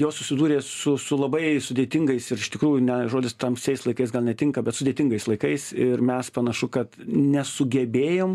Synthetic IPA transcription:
joːssʊsʲɪd̪uːɾʲeːsʊsʊlˠɐbɐɪsʊd̪ʲeːt̪ʲɪŋɡɐɪsɪɾɪʃt̪ʲɪkɾuːjʊnʲɛʒoːd̪ʲɪst̪ɐmsʲɛɪslˠɐɪkɐɪsɡɐlˠnʲɛt̪ʲɪŋkɐbʲɛt̪sʊd̪ʲeːt̪ʲɪŋɡɐɪslˠɐɪkɐɪsɪɾmʲɛspɐnɐʃʊkɐt̪nʲɛsʊɡʲɛbʲeːjoːm

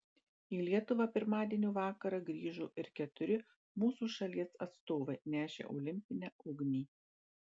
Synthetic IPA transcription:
iːlʲiɛt̪ʊʋɐpʲɪɾmɑːd̪ʲiɛnʲuːʋɑːkɐɾɐɡɾʲiːʒuːʔɪɾkʲɛt̪ʊɾʲɪ | muːsuːʃɐlʲiɛsɐt̪st̪oːʋɐɪnʲæːʃʲḛːʔɔ̰ʊlʲɪmʲpʲɪnʲɛːʊɡnʲiː

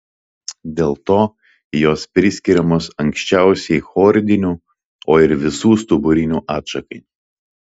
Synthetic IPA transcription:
d̪ʲeːlˠt̪oː | joːspʲɾʲɪsʲkʲiɾʲɛmoːsɐŋʲkʲsʲt͡ʃʲɛˑʊsʲɛɪxɔːɾʲd̪ʲɪnʲuː | oːɪɾʋʲɪsuːst̪ʊbʊɾʲɪnʲuːʔɑːt̪ʃɐkɐɪ

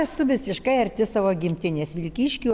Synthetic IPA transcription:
sʊʋʲɪsʲɪʃkɐɪɐɾʲt̪ʲɪsɑʋoːɡʲɪmʲt̪ʲɪnʲeːsʋʲɪlʲkʲiːʃʲkʲu

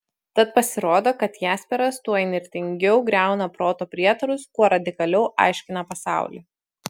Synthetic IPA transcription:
t̪ɐt̪̚pɐsʲɪɾoːd̪oːkɐt̪jæːsʲpʲɛɾɐst̪uɔɪnʲɪɾʲt̪ʲɪŋʲɡʲɛʊɡɾʲæˑʊnɐpɾoːt̪oːpʲɾʲiɛt̪ɐɾʊskuɔɾɐd̪ʲɪkɐlʲɛʊʔɑ̰ˑɪʃʲkʲɪnɐpɐsɑ̰ˑʊlʲḭː

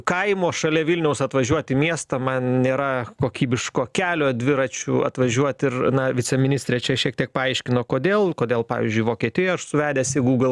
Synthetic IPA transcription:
kɐɪmoːʃɐlʲɛʋʲɪlʲnʲɛʊsɐt̪ʋɐʒʲuɔt̪ʲimʲiɛst̪ɐmɐnnʲeːɾɐkoːkʲiːbʲɪʃkoːkʲæːlʲoːd̪ʲʋʲɪɾɐt͡ʃʲʊ̰ɐ̰t̪ʋɐʒʲuɔt̪ɪrnɐʋʲɪt͡sʲɛmʲɪnʲɪsʲt̪ʲɾʲeːt͡ʃʲɛʃʲiɛk̚t̪ʲiɛk̚pɐɐɪʃʲkʲɪnoːkoːd̪ʲeːlˠkoːd̪ʲeːlˠpɑ̰ːʋʲɪ̰zʲd͡ʒʲʊɪʋoːkʲiɛt̪ʲɪjoːʃsʊʋʲæːd̪ʲeːsʲɪɡuːɡlˠ

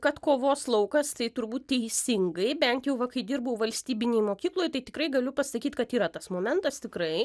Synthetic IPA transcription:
kɐt̪koːʋoːslˠɐʊkɐst̪ɐɪt̪ʊɾbuːt̪̚t̪ʲɛɪsʲɪŋɡɐɪbʲɛnt̪jɛʊʋɐkɐɪd̪ʲɪrbɐʊʋɐlʲsʲt̪ʲiːbʲɪnʲejmoːkʲiːklˠoːjt̪ɐɪt̪ʲɪkɾɐɪɡɐlʲʊpɐsɐkʲiːt̪kɐt̪iːɾɐt̪ɐsmoːmʲɛnt̪ɐst̪ʲɪkɾɐɪ

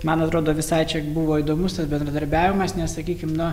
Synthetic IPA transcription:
mɐnɐt̪ɾoːd̪oːʋʲɪsɐɪt͡ʃʲɛbuʋoːid̪oːmʊst̪ɐsbʲɛnd̪ɾɐd̪ɐɾʲbʲæːʋʲɪmɐsnʲɛssɐkʲiːkʲɪmnʊ

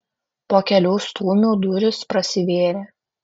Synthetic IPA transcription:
poːkʲɛlʲuːst̪uːmʲuːd̪ʊɾʲʊspɾɐsʲɪʋʲeːɾʲeː

